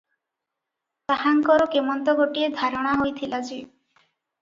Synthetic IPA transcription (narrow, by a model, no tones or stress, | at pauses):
t̪aɦaŋkɔɾɔkemɔnt̪ɔɡoʈied̪ʱaɾɔɽ̃aɦojt̪ʰilad͡ʒi